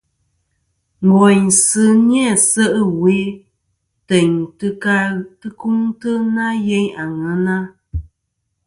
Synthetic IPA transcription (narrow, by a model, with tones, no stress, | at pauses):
ŋ̩˨ɡɔ˨ɲsɨ˦njɛ˦˨sə˦ʔə˦we˨˦ | tɛ˨ɲtɨ˦ka˦tɨ˦ku˦ŋtə˦na˦je˦ɲa˨ŋə˨˦na˦